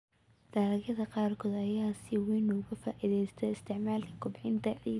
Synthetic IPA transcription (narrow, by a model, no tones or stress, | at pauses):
d̪̥aːɾɐɣɐðɐqɑːrkʰɔːd̪ɐjaːsɪwiːnɔʊɣɐfaːʔɪðɛjst̪ʰɛɪst̪ʰɪʕmaːlkʰɐ̥kʰʊbħɪnt̪ʰɐʕi